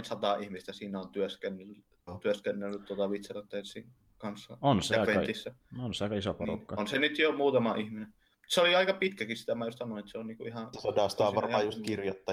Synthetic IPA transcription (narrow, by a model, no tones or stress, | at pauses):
nsɑt̪ɑihmist̪æsiːnæont̪yøskenːl | t̪yøskenːelːyt̪t̪uot̪ɑʋit̪serɑt̪ːensˑiŋ | kɑnsːɑ̰onsjɑkʋet̪isːæonsæisoporṵnkːɑonsenyt̪jomuːt̪ɑmɑʔihmine | museoliɑikɑpit̪kækissi̥t̪æmæjuost̪sɑnoˑinet̪seonniːkuihɑt̪ːsɑdɑˑst̪ːˑʋɑrmɑːjust̪kirjot̪ːɑ